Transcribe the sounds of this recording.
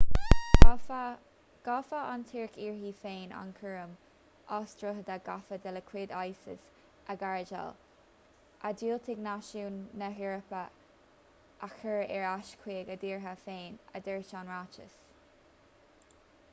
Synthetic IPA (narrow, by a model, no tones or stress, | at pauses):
ɡ̥ɑfəantʰiːɹkʰiːɹɦiːfeːna̰nkʰəɹəm | ɑːstɹəɦəd̪aɡafəd̪ɛləkʰwɪd̪ajsɪ̰s | əɡaɹd͡ʒa̰l | ʔadiːlt̪ʰɪɡnaʃuːnːəɦɪɹəpə | ʔakʰəɹɛɹaʃkʰweːɡəd̪iːɹɦəfeːnə̰d̪ɛɹt͡ʃanɹat͡ʃə̰s